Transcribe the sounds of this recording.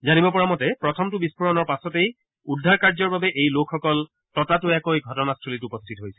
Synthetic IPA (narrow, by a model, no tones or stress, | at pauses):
zanibɔpɔɹamɔtɛpɹɔtʰɔmtʊbispɔɹɔnɔɹpasɔtej | udʱːaɹkaɹzɔɹbabɛʔejlokʰːɔkɔl | tɔtatʊɛkojɡʱɔtɔnastʰulitupɔstʰitɦojsɛ̥